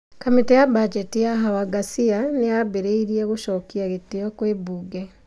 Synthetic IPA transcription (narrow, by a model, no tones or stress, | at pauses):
kamitejabad͡ʒetijaɦawaɡasianejabeɾeiɾieɣuʃokiaɣetejokwebuɡe